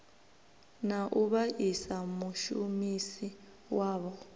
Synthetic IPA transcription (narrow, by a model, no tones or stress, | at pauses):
naʔuβaʔisamuʃumisi | waːβɔ